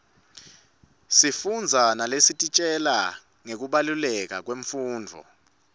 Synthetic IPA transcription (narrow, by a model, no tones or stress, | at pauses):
sifund͡zʱanalesitʼit͡ʃʼɛla | ŋek̬uɓalulɛk̬ak̬weɱfuːnd͡vʱɔ̰